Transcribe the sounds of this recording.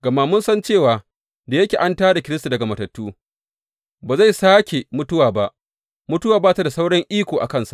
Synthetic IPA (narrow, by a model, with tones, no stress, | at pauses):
ɡɐ˨ma˦˨mʊ˦nsɐ˦nt͡ʃeː˦˨waː˨ | da˨jɐ˦kʲeː˨ʔa˦ntaː˦da˨kʲɪ˦ɾɪ˦sta˨dɐ˨ɡa˨mɐ˨tɐ˨tːuː˦ | baː˨za˦˨jsaː˦kʲe˨mʊ˦tʊ˦waː˨ba˦ʔ | mʊ˦tʊ˦waː˨baː˦˨ta˨da˨sa˦wɽɐ˦ŋʔiː˦kʷoː˨ʔa̰˨kɐ˦nsa̰˨ʔ